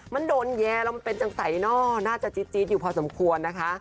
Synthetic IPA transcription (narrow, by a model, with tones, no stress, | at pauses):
ma˧˥˨ndoː˧njɛː˧lɛ˧˥wma˧npe˧nt͡ɕa˧˩ŋsa˨˩˦jnɔː˧˥˩naː˥˩t͡ɕa˨˩t͡ɕi˦t̪̚t͡ɕi˧˦˥t̪̚juː˨˩pʰɔː˧so˩˦mkʰu˧ənːa˦˥kʰa˦˥ʔ